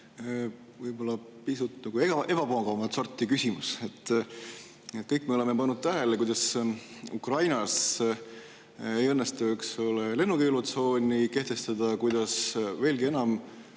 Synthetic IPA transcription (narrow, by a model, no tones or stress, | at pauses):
vɤjbo̞lːɑpisut̪ːnɑɡueɡ̥ɑʔe̞b̥ɑpoɡɑvɑmɑt̪so̞rt̪ːˑikysimuset̪ː | et̪̚kɤjkːme̞ole̞me̞pɑnːud̪̥̚t̪æɦelekujd̪̥ɑsukrɑjnɑs | ejɤnːest̪ɑokso̞lele̞nːuɡelut̪so̞ːnʲike̞ht̪e̞st̪ɑd̪̥ɑkujd̪̥ɑsve̞ːlɡie̞nɑm